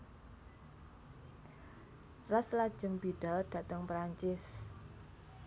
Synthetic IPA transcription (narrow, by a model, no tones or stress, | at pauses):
raslad̥ʒ̥ə̤ŋb̥iɖ̥ald̪̥ä̤t̪əŋpɾaɲt͡ʃɪs